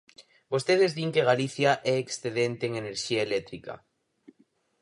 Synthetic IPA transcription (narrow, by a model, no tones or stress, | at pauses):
bost̪eðezðiŋkeɣaliθjaʔɛːksθeðent̪eːŋeneɾʃiaelɛt̪ɾika̰